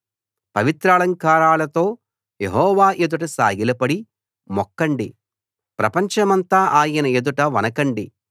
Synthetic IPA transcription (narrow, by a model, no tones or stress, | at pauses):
pɐʋit̪ɾaːlɐŋkaːɾaːlɐt̪o̞ː | je̞̰ɦɔːʋaːʔed̪uʈɐsa̰ːɡilɐpɐɽi | mɔkːɐɳɖḭ | pɾɐpɐɲt͡ʃɐmɐnt̪aːʔaːjɐnɐed̪uʈɐʋɐnɐkɐɳɖi